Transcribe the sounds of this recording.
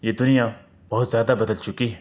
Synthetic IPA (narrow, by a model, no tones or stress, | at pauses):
jed̪ʊnija | bɐɦʊt̪zjaːd̪abɐd̪əlt͡ʃʊkiɦɛː